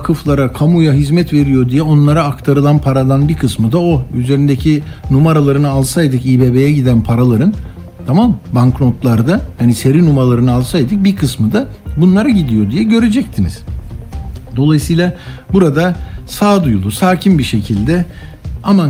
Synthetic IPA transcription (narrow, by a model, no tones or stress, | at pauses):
akʰɯflˠaɾakʰamujaɦizmɛt̪ve̞ɾijod̪ijɛo̞nlˠaɾaːkt̪ʰaɾɯlˠanpʰaɾalˠanbiɾkʰɯsmɯd̪aoyze̞ɾind̪ecʰinumaɾalˠaɾɯnɯalˠsajd̪ɯkiːbe̞be̞jɛɟid̪ænpʰaɾalˠaɾɯn | t̪ʰamambaŋkɾo̞t̪lˠaɾd̪ahanise̞ɾinumaɾlˠaɾɯnɯalˠsajd̪ɯk̚bikʰɯsmɯd̪abunlˠaɾaɟid̪ijo̞d̪ijɛɟø̞ɾed͡ʒɛc̚t̪ʰinḭz̥ | d̪o̞lˠajɯsɯjlˠabuɾad̪asaːd̪ujulˠusaːcʰimbiʃe̞cʰilʲd̪ɛ | ama